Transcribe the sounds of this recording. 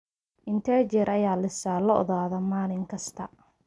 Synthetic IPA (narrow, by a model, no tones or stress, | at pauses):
ʔɪnt̪ʰɛːt͡ʃɛɾɐjaːlɐsaːlɔɔ̰ðaːðɔmaːlɪŋkʰɐst̪ʰɐ